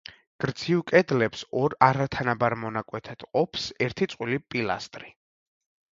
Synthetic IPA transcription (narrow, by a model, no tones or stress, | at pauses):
ɡ̥ɾd̪zivkʼɛd̪lɛpsɔɾaɾat̪ʰanabaɾmɔnakʼwɛt̪ʰad̪̥qʼɔpʰsɛɾt̪ʰit̪sʼqʼwilipʼila̰st̪ʼɾi